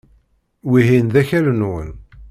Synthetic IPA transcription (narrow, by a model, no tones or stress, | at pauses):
wiɦinðæçælnʊʁəl